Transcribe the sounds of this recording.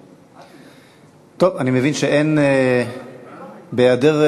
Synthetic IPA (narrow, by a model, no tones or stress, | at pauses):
t̪ovanimevinʃeʔen | bejad̪eʁ